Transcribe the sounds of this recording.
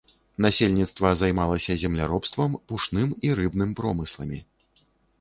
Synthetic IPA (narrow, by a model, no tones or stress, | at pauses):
nasʲelʲnʲit̪st̪vɐzajmalˠɐsʲɐzʲɛmlʲaɾɔpst̪vɐmpuʂnɨmiɾɨbn̪ɨmpɾɔmɨslˠɐmʲi